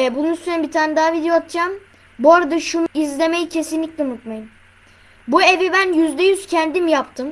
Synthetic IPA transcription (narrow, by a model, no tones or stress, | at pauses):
ɛbununsynɛbit̪ʰaːnɛd̪aːvid̪eoat̪ʰt͡ʃam | boɾad̪aʃunuizlʲe̞mejicʰe̞sinlʲicʲlʲɛunut̪majɯm | bue̞vibænjyzd̪ɛjyz̥cʰænd̪imjapt̪ʰɯm